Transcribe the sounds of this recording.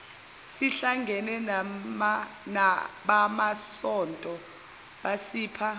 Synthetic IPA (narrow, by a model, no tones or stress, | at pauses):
siɬaŋɡʱɛnɛ | naɓamasɔntʼɔ | ɓasiːpʰa